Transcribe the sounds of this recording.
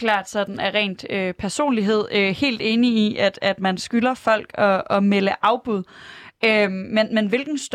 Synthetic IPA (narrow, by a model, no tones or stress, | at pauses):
lɑ̰ːd̥sɒ̽d̥n̩æʁɛ̰ːnd̥øpʰæɐso̝̰ːnliɦe̝ð̞̰ˠøhe̝̰ːld̥e̝ːniiʔæd̥æd̥mænsɡ̥ylɐfɒ̽l̰ɡ̥ɒ̽ɒ̽meləʔɑ̈ʊb̥uð̞ˠømenmenʋe̝lɡ̥n̩sd̥